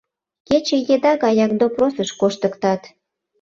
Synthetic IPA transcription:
ket͡ɕejed̪ɑɣɑjɑk̚d̪oprosəʃkoʃt̪əkt̪ɑt̪

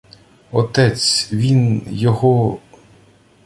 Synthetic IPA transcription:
ɔt̪ɛt͡sʲʋʲinjɔɦɔ

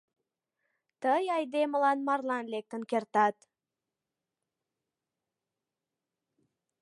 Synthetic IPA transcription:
t̪əjɑjd̪emə̆lɑnmɑrlˠɑnlek̚t̪ə̆nkert̪ɑt̪

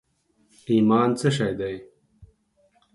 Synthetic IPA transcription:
iːmaːnt͡səʃɐjd̪ɐj

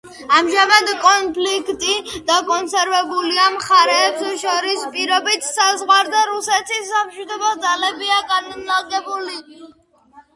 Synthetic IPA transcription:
amʒamad̪kʼɔnpʰlikʰt̪ʼid̪̥akʼɔnsɛɾvɛbuliamχaɾɛːpsʃɔɾispʼiɾɔbit̪ʰsazʁwaɾd̪aɾusɛt̪ʰisːamʃid̪ɔbad̪zalɛbiaɡanlaɡɛbuli

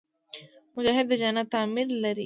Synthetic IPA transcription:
mʊd͡ʒaːɦɪd̪ɐd͡ʒaːnat̪aːmɪɾlɐɾi

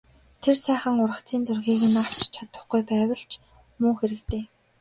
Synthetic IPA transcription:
t̪ʰersæːχə̆ŋʊɾrə̆t͡siːnt͡sʊrɣiːɣɘ̆naw̥t͡ɕt͡ɕʰat̪ə̆χɡujpæːwə̆ɬt͡ɕ | muːxeɾɘ̆kt̪eː

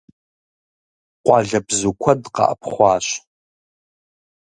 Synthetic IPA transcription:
qʷɑːɮɐbzukʷʰɔdqɑ̰ʔəpʰχʷɑːɕ

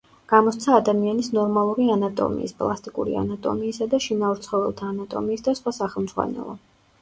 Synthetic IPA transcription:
ɡ̥amɔst̪sʰaːd̪amianisnɔɾmalˠuɾianat̪ʼɔ̰mḭːspʼlˠast̪ʼikʼuɾḭa̰nat̪ʼɔ̰miːsad̪aʃinaɔɾt̪sʰχɔvɛlˠt̪ʰaːnat̪ʼɔ̰miːsd̪asχwasaχɛlˠmdzʁwa̰nɛ̰lˠɔ̰

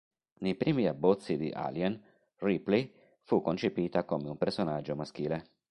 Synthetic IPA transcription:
nejpɾiːmiabːɔt̪sːid̪ḭʔa̰ljɛn | ripli | fukːont͡ʃepiːt̪akomeumpersonad͡ʒːomask̟iːle

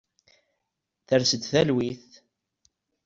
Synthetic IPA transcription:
θəɾsəd̪θælwiθ

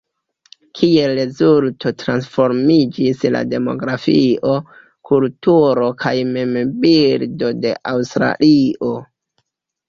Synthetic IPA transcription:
kʰie̞lɾe̞zulto̞tɾansfo̞ɾmid͡ʒisla̰de̞mo̞̰ɡɾafiʔo̞ | kultuɾo̞kʰajmembildo̞de̞̰ʔawstɾa̰lʔiʔo̞

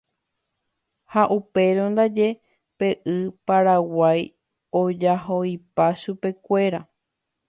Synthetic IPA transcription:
haʔupe̞ɾond̪ad͡ʒe̞ | pe̞ʔɨpaɾawaj | o̞d͡ʒaɦoipaʃupe̞kʷe̞ɾa

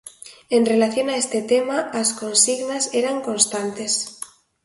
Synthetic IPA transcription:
e̞nre̞laθjo̞naest̪e̞t̪emaasko̞nsiɣnaseɾaŋko̞nst̪ant̪e̞s

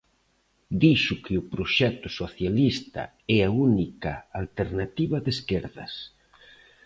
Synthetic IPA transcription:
d̪iʃʊkɪʊpɾoʃɛt̪ʊsoθjalist̪ɐ̰ | ɛaunikɐalt̪eɾnat̪iβɐðeskeɾðɐ̰s

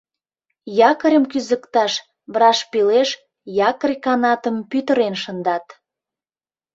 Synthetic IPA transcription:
jɑkəɾʲəmkyzəkt̪ɑʃ | βɾɑʃpileʃ | jɑkərʲkɑnɑt̪ə̆mpyt̪əɾenʃə̆nd̪ɑt̪

